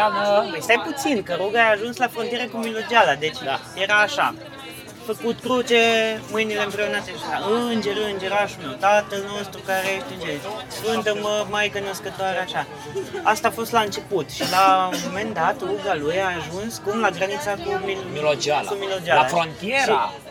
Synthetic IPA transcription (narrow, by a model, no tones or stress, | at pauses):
avəest̪ajput̪sinkəɾoɡaaːʒunslafɾont̪ijeɾekumilo̞d͡ʒalad̪e̞t͡ʃje̞ɾaːʃa̰ | fəkut̪kɾut͡ʃemɨjnile̞ɨmpɾe̞unat̪eʃaʃaɨnd͡ʒeɾɨnd͡ʒeɾaʃumet̪at̪əlnost̪ɾukaɾeeʃt̪ɨnd͡ʒefɨnt̪əməmajkəno̞skət̪oaɾeaʃa | ast̪aːfo̞st̪laɨnt͡ʃe̞put̪ʃilamo̞me̞nd̪at̪ruɡalujaːʒunskumlaɡɾanit̪sakumild͡ʒakumilod͡ʒalafɾont̪ieɾi